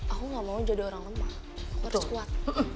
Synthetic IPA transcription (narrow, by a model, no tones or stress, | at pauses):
akuŋamaud͡ʒadioɾaŋləma | akuaɾskuat̪̚